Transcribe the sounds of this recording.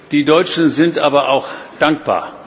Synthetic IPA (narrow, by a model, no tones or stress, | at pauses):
d̥iːdɔʏt͡ʃn̩zɪntʔaːbɐʔaʊxd̥aŋk̚b̥a̰ːɐ